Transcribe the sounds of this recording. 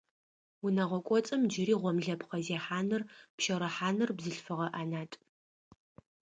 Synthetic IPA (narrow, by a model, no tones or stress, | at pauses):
wʊnɐʁʷɔkʷʼɔt͡sʼɐmd͡ʒɪɾiːʁʷɔmɮɐpχɐzeːħaːnɨrpʃɐɾɐħaːnɨrbzɨɬfɨʁɐʔaːnaːtʼ